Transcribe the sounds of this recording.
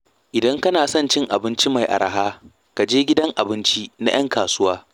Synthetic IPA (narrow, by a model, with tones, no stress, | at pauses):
ʔɪ˨dɐ˦ŋkɐ˦naː˨sɔ˦nt͡ʃɪ˦ŋʔa̰˨bɪ˦nt͡ʃi˦ma˨jʔa̰˨ɾa̰˨ɦaː˦ | ka˨d͡ʒeː˦ɡʲɪ˦dɐ˦ŋʔa˨bɪ˦nt͡ʃi˦na̰˦j̰ɐ˦ŋkaː˨sʊ˦waː˦